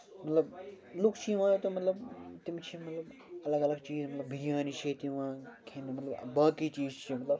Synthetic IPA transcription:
mɐt̪lɐb | lukt͡ʃʰiʋãːt̪omɐt̪lɐbt̪imt͡ʃʰimɐt̪lɐb | ɐlɐɡɐlɐɡt͡ʃiːzmɐt̪lɐbbʱiɡjaːnit͡ʃʰit̪iʋãːkʰẽnmɐt̪lɐbbaːkit͡ʃiːzt͡ʃʰimɐt̪lɐb

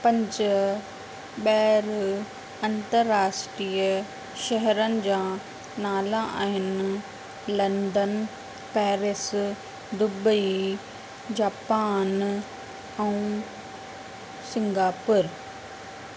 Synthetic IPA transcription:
pɐ̃ɲd͡ʑ | ɓɛːɾ | ɐ̃nt̪əɾːaːsʈɾiːə | ʃɐɦɾənɪ̆d͡ʑãː | naːlãʔaːɦɪnɪ | lɐ̃nd̪ən | pɛːɾɪs | d̪ʊbəi | d͡ʑaːpaːn | ɛ̃ũ | sɪ̃ŋɡaːpʊɾ

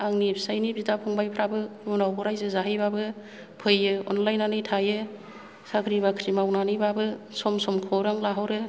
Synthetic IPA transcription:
aŋnipʰsajnibitapʰɔŋbajpʰɾabɯunawbʰɔɾajzɯzaɦɯjbabɯ | pʰɯjɯɔ̰nlajnanɯjtʰajɯ | sakʰɾibakʰɾimawnanɯjbabɯ | sɔmsɔmkʰɔwɾaŋlaɦawɾɯ

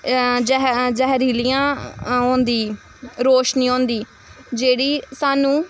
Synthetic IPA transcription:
d͡ʒɦd͡ʒɛːɦɾiːliːãːɦõːnd̪iː | ɾoːʃnĩːõːnd̪iː | d͡ʒeːɽiːsaːnũː

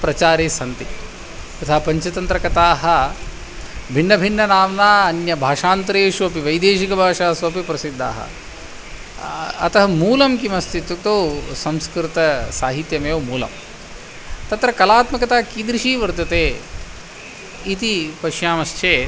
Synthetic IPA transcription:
pɾɐt͡ʃaːɾeːsɐnt̪i | ɐt̪ʰaɦɐpɐɲt͡ʃɐt̪ɐnt̪ɾɐkɐt̪aːɦɐ | bʱinːɐbʱinːɐnaːʋnaːɐnjɐbʱaːʂaːnt̪ɾeːʂuɐpiʋɐjd̪eːʃikɐbʱaːʂaːɐsɐɐpipɾɐsid̪ʱːa̰ːɦɐ̰ | ɐt̪ɐɦɐmuːlɐmkimɐst̪it̪ut̪oːsɐmskɾit̪ɐsaːɦit̪jɐmeːwmuːlɐ̰m | t̪ɐt̪ɾɐkɐlaːt̪mɐkɐt̪aːkiːd̪ɾiʃiːʋɐɾt̪ɐt̪eː | it̪ipɐʃjaːmɐʃt͡ʃeː

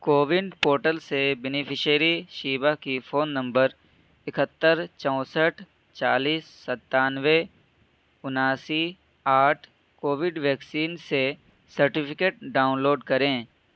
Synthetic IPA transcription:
koːʋɪɳɖpoːɾʈəlsebɛnɪpʰɪʃəɾiʃiːʋakifʰoːnːə̃mbəɾ | ɪkət̪ːəɾt͡ʃɔ̃ʊsəʈʰ | t͡ʃaːliːsːət̪ːaːnʋe | ʊnaːsi | aːʈʰ | koːʋɪɖʋɛːksiːnse | səɾʈɪpʰɪkeːʈ̚ɖaːʊ̃nloːɖkɐɾẽː

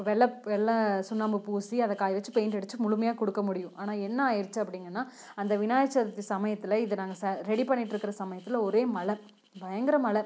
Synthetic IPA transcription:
ʋɛɭːɐpʋɛɭːɐ̃sʊnːaːmbɯpuːsiɐðɐkːaːjʋɐt͡ʃːɯpejnɛɽɯt͡ʃːɯmʊɭɯmɐjaːkɔɽɯkːɐmʊɽɪjʊ̃ʔaːnaːɛnːɐaːjɪɾt͡ʃːɯɐpːɐɽɪŋɡɐnːaː | ɐnd̪ɐʋɪnaːjɐt͡ʃːɐɐt̪ːisɐmɐjɐt̪ːɪlɐɪðɯnaːŋɡɐsɐɾɛɽipɐɳːɪʈːɪɾɯkːɪɾɐsɐmɐjɐt̪ːɪlɐɔɾeːmɐɭɐ | bɐjɐŋɡɪɾɐmɐɭɐ

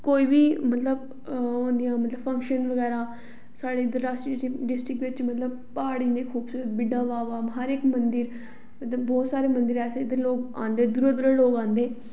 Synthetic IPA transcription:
koːiːbiːmət̪ləb | ɦõːnd̪ijãːmət̪ləbfʰə̃ŋkʃənʋəɡɛːɾãː | saːɽeːd̪əɾaːsʈɾiʈːɖɪsʈɾɪkʋɪt͡ʃmət̪ləb̚ | paːɽiːnẽːkʰuːbsuːɾət̪̚bɪɖãːʋaːʋaːɦəɾɪkmənd̪əɾ | mət̪ləbːɔːt̪saːɾeːmə̃nd̪əɾɛːseːd̪əɾloːɡã̰ːnd̪eːd̪ʊɾəd̪ɾəloːɡãːnd̪eː

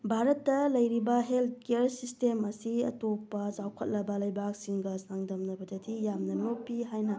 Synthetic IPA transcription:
bʱaɾɐtːɐlɐjɾibɐɦelt̚keɐɾsistemɐsiɐ̰topːɐzawkʰɐt̚lɐbɐlɐjbak̚siŋɡɐsaŋdɐmnɐbɐdɐdijamnɐnopːiɦajnɐ

